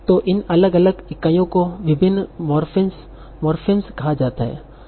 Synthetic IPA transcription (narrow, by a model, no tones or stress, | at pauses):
t̪oʔɪnɐləɡɐləɡɪkaːjõkoʋɪbʱɪnːmɔɾfns | mɔːɾfɪnskɐɦad͡ʒaːt̪aɦɛ̰ː